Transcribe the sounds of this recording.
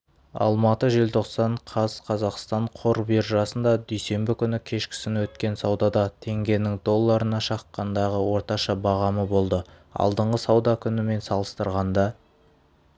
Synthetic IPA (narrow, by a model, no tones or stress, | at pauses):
ɑ̰lˠmɑt̪əʒe̞lt̪ʰo̞qsɑɴqʰɑz̥qʰɑzɑqst̪ɑɴqʰo̞ɾbeɾʒɑsənd̪ɑd̪ʏjse̞mbɪkʲʰʏnɪkʲʰe̞ʃkʲɪ̥sɪnwɵt̪kʲe̞nsɑwd̪ɑd̪ɑt̪ʰe̞ŋɡʲe̞nɪŋd̪o̞lˠːɑɾənɑʃɑqːɑnd̪ɑʁəwo̞ɾt̪ɑʃɑbɑʁɑməbo̞lˠd̪əɑ̰lˠd̪əɴʁəsɑwd̪ɑkʲʰʏnɪme̞nsɑlˠəst̪əɾʁɑnd̪ɑ